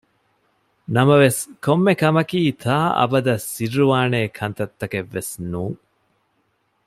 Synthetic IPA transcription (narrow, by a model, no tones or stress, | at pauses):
nɐmɐʋeskomːekɐmɐkiːt̪ʰaːʔɐ̰bɐd̪ɐsːirːuʋaːneːkʰɐnt̪ɐt̪ːɐkeʋːesnuːŋ